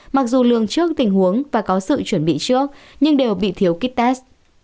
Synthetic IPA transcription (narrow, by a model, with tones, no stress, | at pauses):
ma˨˩k̚zu˨˩lɨ̰˧˨əŋt͡ɕɨ˦˥ək̚t̪ï˨˩ŋ̟hu˨˦əŋvaː˨˩kɔ˨˦sɨ̰˧˨t͡ɕwə˧˩nɓḭ˧˨t͡ɕɨ˦˥ək̚ɲɨ˧ŋɗe˨˩wɓḭ˧˨t̪ʰi˨˦əwki˦˥t̚t̪a˦˥s